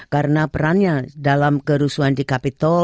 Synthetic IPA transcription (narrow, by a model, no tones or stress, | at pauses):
kaɾənapəɾanɲadalamkəɾusuandikapit̪ɔ